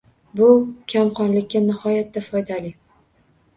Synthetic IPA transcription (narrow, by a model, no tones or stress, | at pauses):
bʊkʲʰamqɒnlɪkʲːanɪhɒjat̪̚d̪afɒjd̪alɪ